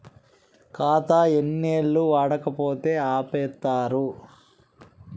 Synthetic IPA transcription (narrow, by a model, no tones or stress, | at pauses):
kaːt̪aːenːeːɭːuʋaːɽɐkɐpoːt̪eːaːpɛːt̪ːaːɾu